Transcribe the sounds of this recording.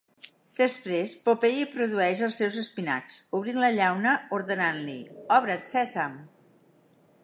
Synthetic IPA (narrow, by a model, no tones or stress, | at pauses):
d̪̥əspɾespopejipɾuðuɛʃəlˠsɛwzəspina̰ksuβɾinləʎawnəuɾðənanliɔβɾət̪sɛsam